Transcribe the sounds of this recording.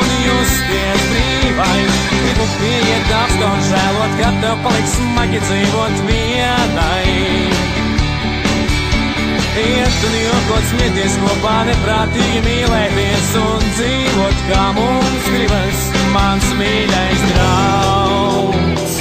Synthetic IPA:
niuspiɛt̪b̪iːvajs | ɡibupiɛjiɛt̪̚d̪ask̪awnzæːlˠuɔt̪kat̪nɛwpalˠiksmaɡʲid̪ziːvuɔt̪vi | ɛnaj | iɛst̪uniuzɡuɔt̪smiɛt̪iɛskuɔpaːnɛpɾaːt̪iːjumiːlˠɛːt̪iɛsund̪ziːvuɔt̪kaːmummsɡɾibajs | mansmiːlʲajsɡ̪ɾa | w

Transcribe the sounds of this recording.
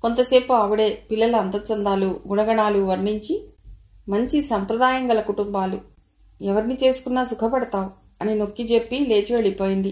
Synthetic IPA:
ko̞nt̪ɐse̞ːpuɐʋuɽeːpilːɐluɐnt̪ɐt͡ʃɐnd̪aːluɡunɐɡɐɳaːluʋɐɾniɲt͡ʃi | mɐɲt͡ʃisɐmpɾɐd̪aːjɐŋɡɐlɐkuʈumbaːlu | ɛʋɐɾinit͡ʃe̞ːsu̥kunːaːsukʰɐpɐɽɐt̪aːwu | ɐnino̞kːid͡ʒepːile̞ːt͡ʃiʋeɭipo̞ːjind̪i

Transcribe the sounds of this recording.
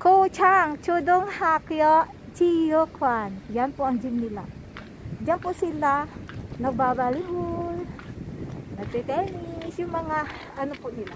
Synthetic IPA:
kut͡ʃaŋt͡ʃuduŋhakjɔʔ | t͡ʃijəkʰwanjanpuaŋd͡ʒimnila | d͡ʒaŋpuʔsilanak̚babalibul | nat͡ʃekɛnisumaŋa | anupuʔnila

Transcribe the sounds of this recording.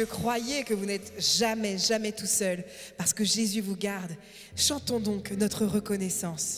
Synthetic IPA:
əkχwajekəvunɛt̪ʒamɛʒamɛt̪usœl | paʁsə̥kəʒezyvuɡaʁd̪ | ʃɑ̃t̪ɔ̃d̪ɔ̃knɔt̪χəʁəkɔnɛsɑ̃s

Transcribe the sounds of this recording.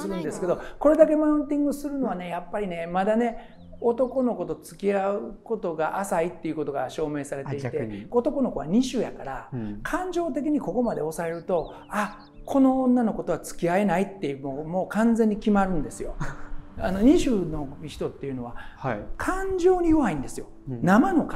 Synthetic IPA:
sɨɾɯ̟̃nd̪esɨ̥ke̞d̪o̞ko̞ɾe̞d̪ak̬e̞maɯ̃nt̪ʲĩŋɡɯsɨɾɯ̟no̞β̞ane̞japːaɾʲine̞mad̪ane̞ | o̞t̪o̞ko̞no̞ko̞t̪o̞t͡sɨ̥kʲiaɯko̞t̪o̞ɡaʔasait̪ːe̞iɯ̟ko̞t̪o̞ɡa̰ɕo̞ːme̞ːsaɾe̞t̪e̞it̪eot̪o̞ko̞no̞ko̞βaɲ̟iɕɨːjakaɾakʰãɲ̟d͡ʑo̞ːt̪e̞k̬ʲiɲ̟iko̞ko̞mad̪e̞o̞sae̞ɾɯ̟t̪o̞ | a | kʰo̞no̞õnːano̞ko̞t̪o̞βat͡sɨ̥kʲiae̞nait̪ːe̞momo̞ːkãnd͡ze̞ɲ̟ːikʲimaɾɯ̟̃nd̪e̞sɨjo̞ano̞ɲ̟iɕɨːno̞mʲiɕi̥t̪o̞t̪ːe̞jɯ̟no̞β̞akʰãɲ̟d͡ʑo̞ːɲ̟ijoβaĩnd̪e̞sɨjo̞ | namano̞ka

